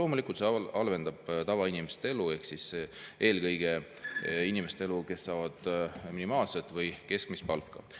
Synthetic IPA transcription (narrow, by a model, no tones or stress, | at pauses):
lo̞ːmulikːˑult̪seɑlve̞nd̪̥ɑb̥t̪ɑvɑinimest̪ee̞lue̞hksisʔe̞ːlkɤjɡ̥e̞ | inimest̪ee̞luke̞sːɑːvɑd̪̥minimɑːlset̪ːˑvɤjke̞skmispɑlkːɑ̰